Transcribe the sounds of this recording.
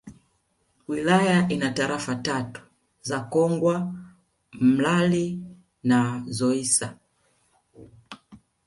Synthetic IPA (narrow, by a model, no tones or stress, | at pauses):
wilajaʔinataɾafatatu̥ | zakɔŋɡwa | m̩lali | nazɔisa